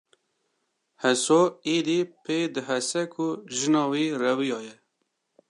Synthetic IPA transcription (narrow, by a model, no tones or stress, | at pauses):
hɛsoːiːd̪iːpʰeːd̪ɨɦɛsɛkʰuʒɨnɑːwiːrɛwijɑːjɛ